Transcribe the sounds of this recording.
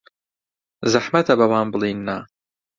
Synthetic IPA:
zaħmɐt̪ʰɐbɐwaːnbɨlˠiːnːaː

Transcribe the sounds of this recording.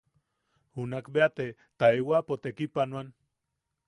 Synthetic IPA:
unakbeat̪e | t̪aewapot̪ekipanwan

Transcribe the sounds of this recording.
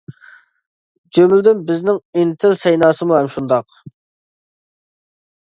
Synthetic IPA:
d͡ʒømld̪ɪnbɪznɪŋint̪ʰɪlsɛjnɑːsɨmuɦɛmʃund̪ɑq

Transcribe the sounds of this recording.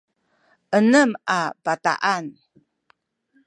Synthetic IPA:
ʔənəmabat̪a̰ʔan

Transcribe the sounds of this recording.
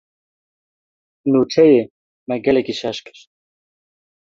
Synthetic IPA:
nuːt͡ʃʰɛje | mɛɡɛlɛkiʃɑʃkʰɨ̥ɾ

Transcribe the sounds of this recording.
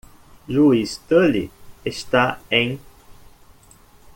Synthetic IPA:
luist̪əliest̪aẽj̃

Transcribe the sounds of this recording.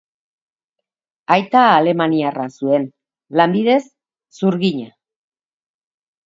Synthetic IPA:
ajt̪aːle̞maniarasue̞n | lambið̞e̞sː | uɾɣiɲa

